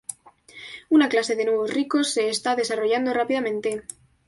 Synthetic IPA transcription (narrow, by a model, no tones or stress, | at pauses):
unaklase̞ðe̞nweβ̞o̞srikosːe̞ːst̪aðe̞saro̞ʝand̪orapiðamẽnt̪e̞